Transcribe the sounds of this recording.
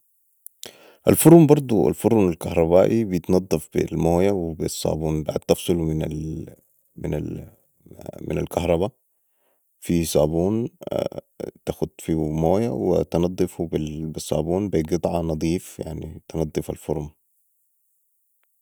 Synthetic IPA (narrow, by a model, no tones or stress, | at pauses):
ʔa̰lfʊɾˤmbɑɾˤd̪ˤua̰lfʊɾˤunalkahɾˤɑβaːʔibijɪt̪nɑd̪ˤːɑfb̥ḭlmoːjawɪbisˤːɑ̰ːbuːnba̰ʕd̪̚t̪ɑfsˤɨlmɪnal | mɪna̰ | mɪ̰na̰lkahɾˤɑβa | fisˤɑːbuːn | t̪axud̪fimoːjawɪ̰t̪ɪnɑd̪ˤːɨfubbɪsˤːɑ̰ːbuːnbiɡɨt̪ˤʕɑnɑd̪ˤiːfja̰ʕnḭt̪ɪnɑd̪ˤːɨfa̰lfʊɾˤm